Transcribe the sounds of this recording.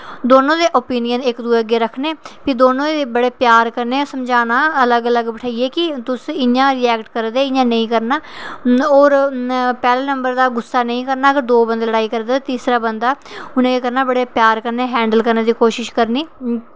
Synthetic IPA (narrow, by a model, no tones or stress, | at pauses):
d̪oːnõːd̪eːʔoːpiːnɪjənɪkd̪uːəɡeːɾəkʰneːpid̪oːnõːeːbəɽeːpjaːɾkəɾneːsəmd͡ʒaːnaːələɡələɡbəʈʰaːieːkɪt̪ʊsɪjãːɾiːɛːkʈkəɾd̪eːɪjãːnəĩːkəɾnaː | oːɾpɛːleːnəmbəɾd̪aːɡʊsːaːnə̃ĩːkəɾnaːəɡəɾd̪oːbənd̪ləɽaːiːkəɾd̪aːt̪iːsɾaːbənd̪aːʊnẽːekəɾnaːbəɽeːpjaːɾkəɾneːɦɛ̃ːɳɖəlkəɾneːd̪iːkoːʃɪʃkəɾniː